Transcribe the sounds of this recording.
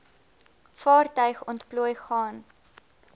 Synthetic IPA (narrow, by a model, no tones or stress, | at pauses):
fɑːrtœɥχɔntpluəjχɑːn